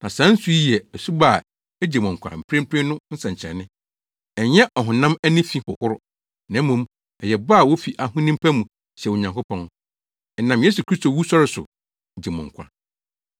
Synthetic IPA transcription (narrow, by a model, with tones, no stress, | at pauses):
nã˨sã˨˦n̩˦su˦i˦ɛ˨æ˨su˦ba˦˨ | e˦d͡ʑe˨mʊ̃˨ŋ̩˨kʷʰa̰˨m̩˨pʰɾɪ̃˦m̩˦pʰɪ̃˦nʊ̃˦n̩˦sɛ̃˨ɲ˨t͡ɕʰɛ̰̃˨nːɪ̃˦ | ɛ˨ɲɛ˦ʔɔ˨ɦʊ̃˨nã˦mæ˦nĩ˦fĩ˦hʊ̰˨hʊ˦ɾʊ˦ | nã˨˦mːũ˨m | ɛ˨jɛ˨ba˦˨wo˦fi˨ʔa˨ɦʊ̃˦nĩ˦mpʰæ˦mũ˨ | ɕɛ˨o˨ɲã˨ŋkʊ˦pʰɔ̃˦n˦ | ɛ˨nã˨mje˦su˨kʰɾi˦sto˨wu˦sɔ˦ɾɪ˨sʊ̰˨ | d͡ʑe˨mʊ̰̃˨ŋ̩˨kʷʰa̰˨